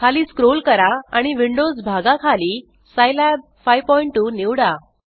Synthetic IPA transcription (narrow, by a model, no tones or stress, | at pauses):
kʰaliːskɾolkəɾaaɽ̃iʋiɳɖod͡zbʱaɡakʰaliː | sajlab̚ | fajpɔiɳʈːuːniwɽa